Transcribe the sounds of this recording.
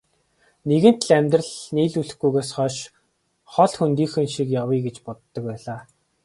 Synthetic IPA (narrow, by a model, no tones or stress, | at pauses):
neɣɘ̆n̥t̪ɮæmʲt̪rə̆ɮniːɮuɮɘ̆xɡujɣeːsχɔʃ | χɔɮxunt̪iːŋxɘ̆nʃikjawiːɡet͡ɕpɔt̪ːɞ̆k̚pæːɮaː